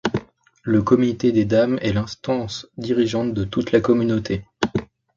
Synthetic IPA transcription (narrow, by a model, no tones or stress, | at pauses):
ləkɔmit̪ed̪ed̪amɛlɛ̃st̪ɑ̃sd̪iʁiʒɑ̃t̪̚d̪ət̪ut̪lakɔmynot̪ʰe